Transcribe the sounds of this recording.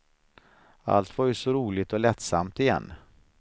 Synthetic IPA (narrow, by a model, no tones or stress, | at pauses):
a̰lt̪vaɾjɵsɔɾuːlɪt̪ɔlɛt̪sa̰mt̪ɪjɛ̰nː